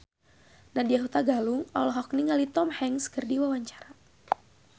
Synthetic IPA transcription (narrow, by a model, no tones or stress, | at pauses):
nadiaɦut̪aɡaluŋɔ̰lɔɦɔk̚niŋalit̪ɔmhɛŋskərdiwawaɲt͡ʃḁɾa